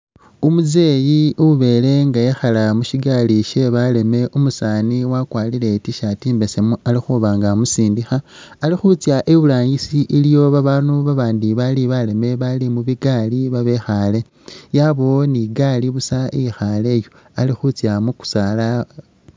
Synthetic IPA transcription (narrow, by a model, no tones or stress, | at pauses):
umuze̞ːjiuβe̞ːle̞ŋɡajexalamuʃiɡaliʃe̞βale̞me̞ʔumusaːniwakwaːlile̞tiʃatiːmbesemualixuβaŋɡamusiːndixaː | lixut͡sjaʔeβulaːɲisiʔilijo̞βaβaːnuβaβaːndiβaliβale̞me̞βalimuβiɡaːliβaβe̞xale̞ | jaβoniɡaliβusaijixale̞ːjo̞ | alixut͡sjamuku̥sala